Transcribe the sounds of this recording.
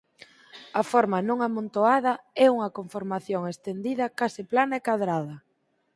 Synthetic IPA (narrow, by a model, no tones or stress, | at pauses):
ɐfɔɾmanõŋamõnt̪oaðɐɛuŋɐkoɱfoɾmaθjoŋest̪end̪iðɐkasɪplanaɛkaðɾaðɐ